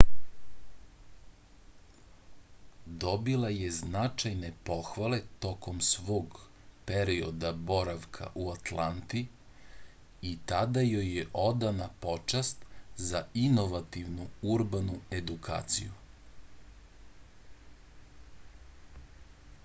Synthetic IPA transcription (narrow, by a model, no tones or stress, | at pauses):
d̪o̞bilˠajeznat͡ʃajne̞po̞xʋale̞t̪o̞ko̞msʋo̞ːɡ | peɾio̞d̪abo̞ɾaʋkʰa̰ʔuat̪lant̪i | it̪ad̪ajojːeʔo̞d̪anapo̞t͡ʃast̪zaino̞ʋat̪iʋnuuɾbanue̞d̪ukʰa̰ːt̪sḭju